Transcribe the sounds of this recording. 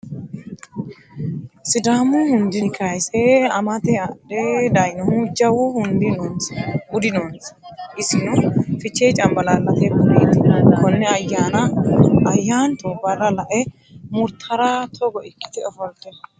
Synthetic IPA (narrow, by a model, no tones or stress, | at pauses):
sɪd̪aːmʊhʊnd̪ɪkʰɐjsɛɐmɐt̪ɛɐᶑɛd̪ɐjnɔhʊd͡ʒɐwʊhʊnd̪ɪn | ʊd̪ɪnɔnsʔɪsɪnɔfɪt͡ʃːet͡ʃʼɐmbɐlalɐt̪ɛbɔneːt̪ːɪkɔnːɛɐjːaːnɐɐjːaːnt̪obɐrːɐlɐʔɛ | mʊɾt̪ʰɐɾat̪ʰɔɡɔʔɪkʼːɪ̥t̪ɪɔfɔlt̪ɛ